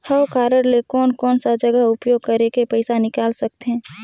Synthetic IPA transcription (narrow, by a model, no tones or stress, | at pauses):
həwkaːɾəɾlekɔːnkɔːnsad͡ʒɐɡəɦʊpjoːɡ̚kɐɾekepəɪsanɪkaːlsɐk̚t̪eɦɛ̃ː